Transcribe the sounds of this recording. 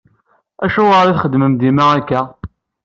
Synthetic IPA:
æʃʊʁəɾiθχəd̪ːməmd̪imaækːæ

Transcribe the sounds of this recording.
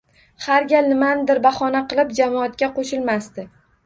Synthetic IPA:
haɾɡʲalnɪmanɪd̪ɪɾbaχɒnaqɨlˠɪp̚d͡ʒamɒat̪̚kʲaqʰoʃɪlˠmast̪ɪ

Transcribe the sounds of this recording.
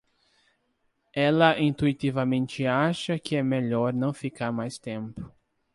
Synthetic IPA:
ɛlɐʔĩnt̪uit̪ivɐmẽnt͡ʃɪaʃɐkɪɛmeʎɔɾnɐ̃w̃fikaɾmajst̪ẽmpʊ̥

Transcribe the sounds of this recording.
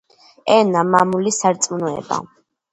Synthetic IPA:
ɛnamamulisaɾt̪sʼmunɔɛ̰ba̰

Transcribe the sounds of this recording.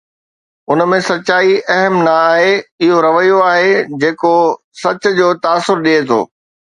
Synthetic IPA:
ʊnmẽsɐt͡ɕaːiʔɐɦəmnɐːɦeɪɦoɾɐʋəjoaːɦed͡ʑeːko | sɐt͡ɕ̆d͡ʑoːt̪aːsːʊɾɗiɦet̪ʰo̰ː

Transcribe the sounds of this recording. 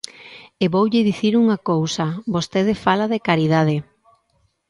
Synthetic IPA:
eβowʎɪðiθiɾuŋakowsɐbost̪eð̞efalaðekaɾiðað̞e

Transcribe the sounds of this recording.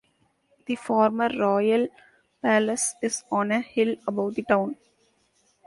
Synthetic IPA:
d̪̥ifɔːɾməɾːɔːjəl | pæləsɪzɔ̃ːnəhɪləbaʊʈ̚d̪iʈãʊ̃n

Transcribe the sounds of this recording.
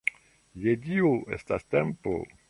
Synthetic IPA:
jedioḛstastempo̰

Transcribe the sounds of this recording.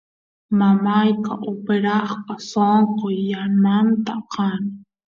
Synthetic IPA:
mamajkaʔopeɾɑχpasoɴqojːanmant̪aqɑn

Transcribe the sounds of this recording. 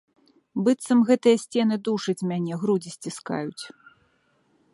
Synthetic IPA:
bɨt̪sɐmɣɛt̪ɨjɐsʲt͡sʲɛnɨd̪uʂɐt͡sʲmʲanʲɛɣɾud͡zʲisʲt͡sʲiska̰jut͡sʲ

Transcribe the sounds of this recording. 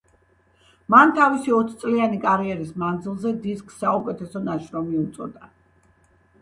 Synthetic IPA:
mant̪ʰavisiɔt̪ʰt̪sʼlianikʼaɾiɛɾismand̪zilˠzɛd̪iskʼsːaukʼɛt̪ʰɛsɔnaʃɾɔmiut̪sʼɔ̰d̪a

